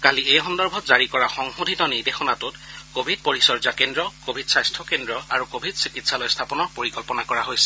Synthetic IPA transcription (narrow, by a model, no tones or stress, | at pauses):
kaliejɦɔndɔɹbʱɔtzaɹikɔɹaxɔŋhudʱitɔniɹdexɔnatutkobʱid̚poɹisɔɹzakendɹɔkobʱidsajstʰɔkendɹɔaɹukobʱidsikitsalojstʰapɔnɔɹpoɹikɔlpɔnakɔɹaɦojsɛ̥